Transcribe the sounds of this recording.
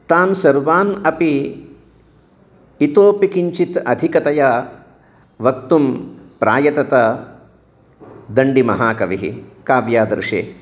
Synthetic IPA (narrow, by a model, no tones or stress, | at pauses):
t̪aːnsɐɾʋaːnɐpi | t̪oːpikiɲt͡ʃit̪ɐ̰d̪ʱikɐt̪ɐjɐ | ʋɐk̚t̪umpɾʔa̰ːjɐt̪ɐt̪ɐ | d̪ɐɳɖimɐ̰ɦaːkɐʋiɦḭkaːʋjaːd̪ɐɾʂḛː